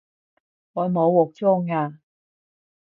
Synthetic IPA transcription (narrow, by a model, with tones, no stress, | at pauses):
ŋɔː˨˧jmo˨˧wwɔː˨˩k̚t͡soː˥ŋaː˧